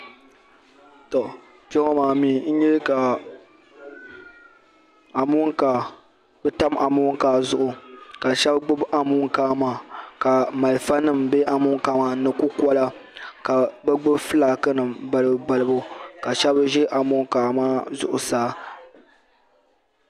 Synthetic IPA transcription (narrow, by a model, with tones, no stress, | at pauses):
tɔ˨ | pɛ˦ŋɔ˦maː˨miː˨˦n̩˦ɲɛ˦ka˨ | a˨mʊ˦ŋka˨ | bɛ˦ta˦ma˨mʊ˦ŋ˦kaː˨zʊ˦ʔʊ˨ka˨ʃɛ˦bɡ͡bʊ˦bʔa˨mʊ˦ŋ˦kaː˦maː˨ka˨ma˨lfa˦nɨ˦˨mbe˦ʔa˨mʊ˦ŋ˦kaː˦ma˨nɨ˨ku˦ka˦la˦ka˨bɛ˦ɡ͡bɨ˦bfɨ˦laː˨kɨ˦nɨ˨mba˨lɨ˨bba˨lɨ˨˦bʊ˦ka˨ʃɛ˦bʒɛ˦ʔa˨mʊ˦ŋ˦kaː˨maː˦zʊ̰˦ʔʊ˨saː˦